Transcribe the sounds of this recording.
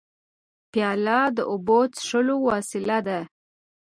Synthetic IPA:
pjɑlɑd̪əʔobot͡sʂəlowɑsɪlad̪a

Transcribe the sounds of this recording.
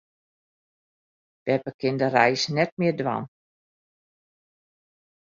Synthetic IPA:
d̥ɛpəkʰɪndərɛjsnɛt̚mɪərdwa̰n

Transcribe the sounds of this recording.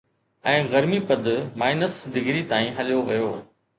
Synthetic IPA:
ɛ̃ːɣɐɾmipɐd̪maːɪnəsɖɪɡɾit̪aːĩɦɐlijoʋɐjoː

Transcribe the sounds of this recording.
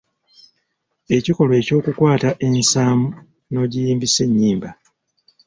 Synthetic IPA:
e̞ciko̞lwe̞ːco̞ːkukwaːtaʔe̞nsaːmu | no̞ːɟijiːmbise̞ɲːiːmba

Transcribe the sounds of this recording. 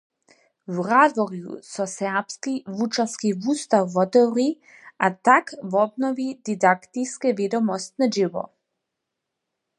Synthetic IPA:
wrad̪vɔɾjṵsɔsɛpskivut͡ʃaskivust̪awːɔt̪ɔɾi | at̪akvɔbnɔvid̪id̪akt̪iskɛvid̪ɔmɔst̪nad͡ʒivɔ̰

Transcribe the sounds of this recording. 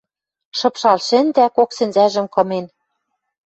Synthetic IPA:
ʃɤ̆pʃɑlʃɘ̆nd̪ækoksɘ̆nzæʒɘ̆mkɤ̆men

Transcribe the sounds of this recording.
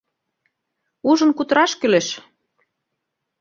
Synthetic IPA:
uʒə̆nkut̪ɤɾɑʃkøleʃ

